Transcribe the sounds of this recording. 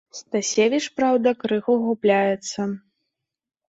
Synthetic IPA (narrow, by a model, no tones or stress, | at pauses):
st̪asʲevʲit͡ʂpɾawd̪ɐkɾɨxuɣuplʲajɛt̪sːɐ